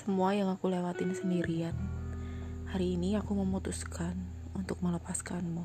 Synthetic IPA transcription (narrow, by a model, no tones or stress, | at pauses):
səmuajaŋakulewat̪insəndiɾian | haɾiːniakuməmut̪uskʰan | unt̪ʊk̚mələpaskanmu